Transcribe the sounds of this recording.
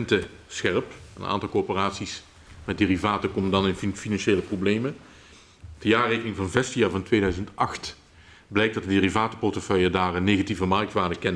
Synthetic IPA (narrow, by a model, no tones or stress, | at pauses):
ntə | sxɛrpə̰nʔa̰ːntɑlˠkopəraːtsis | mɛt̚deːrivaːtəkɔməndɑnɪnfnfinɑnʃeːləprowblejmə | d̥əjaːrekənɪŋvɑnvɛstijaːɹvɑntʋeːdœɥzəntɑxt | blɛjk̚d̥ɑt̚dədeːrivaːtə̥pɔrtəfœjədaːrənːeːɣativəmɑrk̚tʋaːdəkɛn